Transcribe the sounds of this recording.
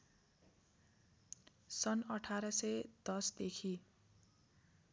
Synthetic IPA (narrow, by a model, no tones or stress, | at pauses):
sʌnʌʈʰaɾʌsʌjd̪̥ʌsd̪ekʰi